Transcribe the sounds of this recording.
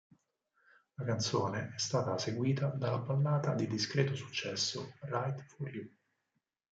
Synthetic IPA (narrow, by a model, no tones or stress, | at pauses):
lakant̪soːneʔɛst̪aːt̪aseɡwiːt̪ad̪alːabːalːaːt̪ad̪id̪iskɾeːt̪osu̥t͡ʃːɛsːo̰rajt̪fuɾju